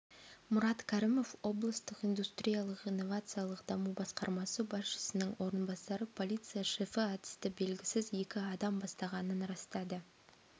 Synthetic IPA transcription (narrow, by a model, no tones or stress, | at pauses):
mʊɾɑt̪kʲʰæɾimo̞fwo̞blˠəst̪əqijnd̪ust̪ɾʲijalˠəqijnːo̞vat̪sɨjalˠəqd̪ɑmubɑsqɑ̰ɾmɑsəbɑsʃə̥sənəŋwo̞ɾənbɑsɑɾəpʰo̞lʲijt̪sɨjaʃefəat̪ɪ̥st̪ɪbe̞lɡʲɪsɪze̞kʲɪɑd̪ɑmbɑst̪ɑʁɑnənɾɑst̪ɑd̪ə